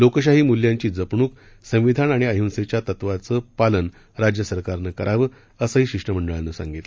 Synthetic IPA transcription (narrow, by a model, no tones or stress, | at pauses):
lokəɕ̬aɦiːmuljãɲt͡ɕiːd͡zəpɳuːk | sə̃ʋid̪ʱanaɽ̃iəjunset͡ɕjat̪ət̪ʋat͡səpalən | ɾad͡ʑjəsəɾkaɾnəkəɾʔaʋə | əsəɦiːɕikʂʈəm̤əɳɖəɭanːəsa̰ŋɡit̪